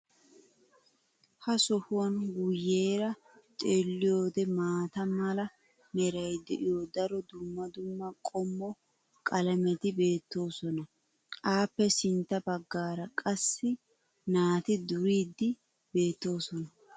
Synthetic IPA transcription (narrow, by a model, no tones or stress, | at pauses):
hɐsɔhʊwɐnɡʊjeːɾɐ | t̪ʼeːlːɪjo̞ːd̪ɛmaːt̪ɐmɐlɐ | nɛɾɐjd̪ɛʔɪjod̪ɐɾɔd̪ʊmːɐd̪ʊmːɐkʼɔmːɔ | kʼɐlɐmɛt̪ɪbe̞ːt̪ːo̞ːsɔnɐ | ʔaːpːɛsɪnt̪ːɐbɐɡːaːɾɐkʼɐsːɪ | naːt̪ɪd̪ʊɾiːd̪ːɪ | be̞ːt̪ːo̞ːsɔnɐ